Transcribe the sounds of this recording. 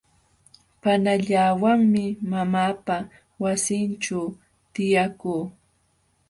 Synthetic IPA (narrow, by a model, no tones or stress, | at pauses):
panaʎaːwaŋmɪmamaːpa | wasɪnʈ͡ʂa | t̪ɪjakuː